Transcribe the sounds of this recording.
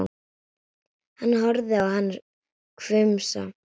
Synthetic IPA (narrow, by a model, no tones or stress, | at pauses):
hanːɦɔɾðɪawhanːɾ | kʰvʏmsa̰